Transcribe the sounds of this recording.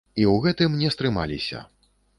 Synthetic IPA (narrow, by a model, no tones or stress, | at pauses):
iwɣɛt̪ɨmnʲɛst̪ɾɨma̰lʲḭsʲɐ̰